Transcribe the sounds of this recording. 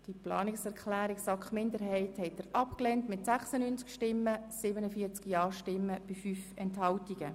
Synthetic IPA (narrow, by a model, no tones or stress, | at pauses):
d̥iplɑːnɪksɛɾkχlæːɾiksɑkχmɪndəɾɦɛɪthɛt̚ːəɾʔɑpklɛntmɪtsæχsənynt͡skʃtɪmːəsɪbənəfiːt͡skjɑːʃtɪmːəb̥ɪfyːfɛnthɑltiɡ̥ə